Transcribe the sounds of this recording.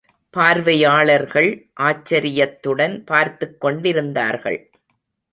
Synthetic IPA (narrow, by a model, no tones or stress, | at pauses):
paːɾʋɐjaːɭɐɾɣɐɭʔaːt͡ʃːɐɾɪjɐt̪ːɯɽɐnpaːɾt̪ɯkːɔɳɖɪɾɯnd̪a̰ːɾɣɐ̰ɭ